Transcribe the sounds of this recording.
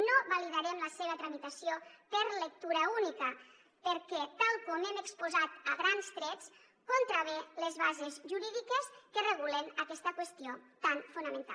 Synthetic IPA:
noβaliðaɾɛmləseβ̞ət̪ɾamit̪asiopəɾlək̚t̪uɾəunikə | pəɾkɛt̪alˠkɔmemekspuzat̪əɣɾanst̪ɾɛt͡s | kont̪ɾaβelezβazezʒuɾiðikeskereɣulenəkɛst̪əkwest̪iot̪anfunəmẽnt̪a̰

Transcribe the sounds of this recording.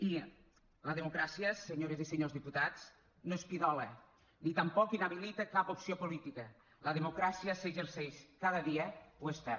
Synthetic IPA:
i | ləðemukɾasiəseɲoɾeziseɲozðiput̪at͡s | noespiðɔle | nit̪əmpɔkinəβilit̪əkapopsiopolit̪ikə | ləðemukɾasiəseʒeɾseʃkaðəðiəpwest̪ɛ

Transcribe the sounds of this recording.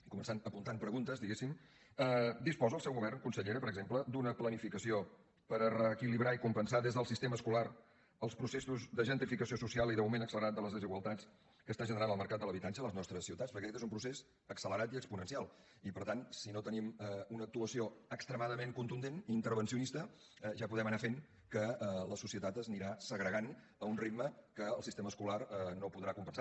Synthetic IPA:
ikumənsanəpunt̪ampɾəɣunt̪əzd̪iɣesim | əd̪ispɔzəlˠsɛwɣuβɛrnkunsəʎeɾəpəɾəɡzempləd̪unəplənifikəsio | pəɾərəːkiliβɾaikumpənsaðezðəlˠsist̪eməːskular | əlˠspɾusesuzðəʒənt̪ɾifikəsiosusialˠiðəwmenəksələɾat̪d̪ələzðəziɣəlˠt̪at͡s | kəst̪aʒənəɾanəlˠməɾkat̪d̪əlˠəβit̪ant͡ʃələznɔst̪ɾəsiwt̪atspəɾkɛkɛt̪ezumpɾusez | əksələɾat̪iəkspunənsialˠ | ipəɾt̪ansinot̪ənimɛunək̚t̪uəsioəkst̪ɾəmaðəmeŋkunt̪und̪eniːnt̪əɾβənsiunist̪ə | ʒapuðɛmənafen | kələsusiət̪at̪əzniɾasəɣɾəɣan | əunrid̪məkəːlˠsist̪eməskularnopuðɾakumpənsa

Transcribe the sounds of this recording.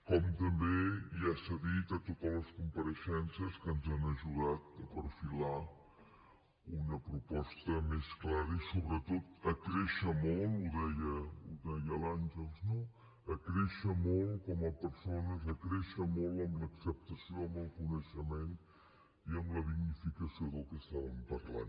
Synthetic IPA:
kɔmt̪əmbeiasəðit̪ət̪ot̪ələskumpəɾəʃɛnsəskənzanəʒuðat̪əpəɾfila | unəpɾupɔst̪əmesklaɾəisoβɾət̪ot̪əkɾɛʃəmolˠuðɛjəuðɛjəlanʲʒəlˠzno | əkɾɛʃəmolˠkɔməpəɾsonəzəkɾɛʃəmolˠəmləksəp̚t̪əsioəməlˠkunəʃəmen | iəmləðiɡnifikəsioðəlˠkɛst̪aβəmpərla̰n

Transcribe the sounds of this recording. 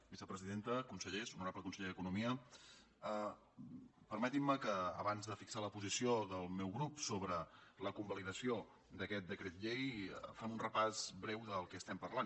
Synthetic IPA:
bizəpɾəziðent̪əkunsəʎesunuɾapləkunsəʎeðəkunumiə | ə | pəɾmət̪imːəkə̰ːβanzðəfiksaləpuzisioðəlˠmɛwɣɾupsoβɾələkumbəliðəsio | d̪əkɛt̪̚d̪əkɾet̪̚ʎejəfamunrəpazβɾɛwðəlˠkɛəst̪ɛmpərlan

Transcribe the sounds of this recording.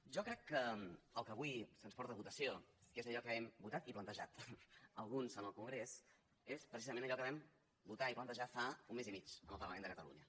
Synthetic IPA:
ʒɔkɾɛkːəəlˠkəβuisənspɔɾt̪əəβut̪əsiokezəʎɔkəɛmbut̪at̪iplənt̪əʒa̰t̪əlˠɣunzənəlˠkuŋɡɾes | espɾəsizəmẽnəʎɔkəβɛm | but̪aiplənt̪əʒafaunmezimit͡ʃənəlˠpəɾləmendəkət̪əlṵɲə

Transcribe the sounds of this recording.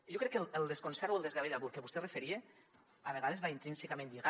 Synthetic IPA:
ʒokɾɛkːelelˠd̪eskonsɛɾoelˠd̪ezɣaβiðaβulkeβust̪erefeɾie | aβ̞eɣaðezβaint̪ɾinsikamẽnd̪iɣa

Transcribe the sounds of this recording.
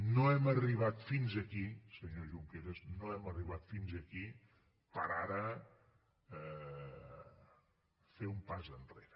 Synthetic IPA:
noɛməriβ̞at̪finzəkisəɲoʒuŋkeɾəznoɛməriβ̞at̪finzəki | pəɾaɾə | ɛ | feumpazənreɾə

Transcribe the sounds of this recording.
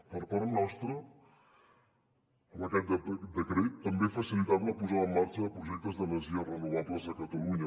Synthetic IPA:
pəɾpaɾnɔst̪ɾə | əməkɛt̪̚d̪əed̪əkɾet̪ːəmbefəsilit̪aβləpuzaəmːart͡ʃəðəpɾuʒɛk̚t̪əzðəməziərənuβ̞aβləzðəkət̪əluɲə

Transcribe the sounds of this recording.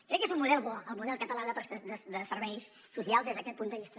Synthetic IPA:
kɾɛkːezummuðɛlˠβɔəlˠmuðɛlˠkət̪əlaðəpsəd̪əd̪əsəɾβɛjs | susialˠzðezðəkɛt̪pund̪əβist̪ə

